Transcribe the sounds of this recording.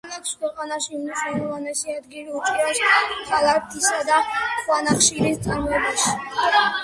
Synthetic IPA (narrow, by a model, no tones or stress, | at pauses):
mɛkʰskʰwɛqʼanaʃiumniʃwnɛlɔvanɛsiad̪ɡiɾiut͡ʃʼuɾasχʰalaɾt̪ʰisad̪aχwanaχʃiɾist̪sʼaɾmɔɛbaʃi̥